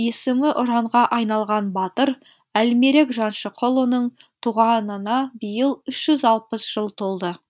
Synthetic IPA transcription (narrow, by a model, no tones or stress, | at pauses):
e̞sɪmɪʔʊɾɑɴʁɑʔɑjnɑlˠʁɑnbɑt̪əɾ | ælme̞ɾe̞kʒɑnʃəqʰolˠənəɴ | t̪ʰuʁɑnənɑbəjəlˠʏʃʒ̥ʏzɑlˠpəsʒ̥əlˠt̪ʰo̞lˠd̪ə